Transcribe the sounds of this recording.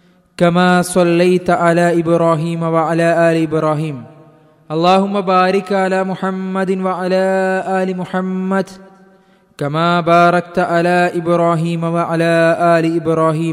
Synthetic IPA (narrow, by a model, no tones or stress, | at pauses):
kamaːsˤɑlːajt̪ʕalaːʔɪbɾaːɦiːmawaʕalaːʔaːlɪʔɪbɾaːɦiːm | ʔɑlːaːɦʊmːabaːɾɪkʕalaːmʊħamːad̪nwaʕalaːʔaːlɪmʊħamːad̪ | kamaːbaːɾˤɑk̚t̪ʕalaːʔɪbɾaːɦiːmawaʕalaːʔaːlɪʔɪbɾaːɦiːm